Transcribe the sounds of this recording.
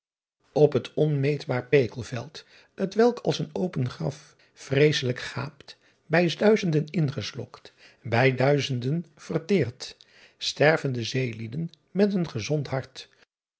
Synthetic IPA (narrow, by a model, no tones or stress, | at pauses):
ɔpɦətɔnmejdbaːɹpejkəlˠvɛlˠt | ətʋɛlˠkʰɑlˠsənowpənχrɑ̰f | frejsələkχa̰ːpt | bɛjsdœɥzəndənɪnχəslɔ̰kt | bɛjdœɥzəndənv̥ərtɪːrt | stɛrvəndəzejlidən | mɛtənχəzɔntɦɑɹt